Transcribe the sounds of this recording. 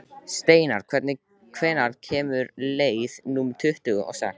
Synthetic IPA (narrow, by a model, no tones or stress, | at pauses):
st̪eːjnaɾ̥kʰvɛɾt̪nɪ | kʰvɛːjnaɾ̥cʰɛːmʏɾleːjðnumt̪ʰʏht̪ʏɣʔa̰wsɛ̰k